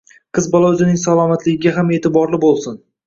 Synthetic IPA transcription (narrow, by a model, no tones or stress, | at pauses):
qʰɨzbɒlˠawd͡ʒɪnɪŋsalˠɒmat̪ʰlɪɡʲɪɡʲaɦame̞ːt̪ɪbɒɾlɪbolˠsɪn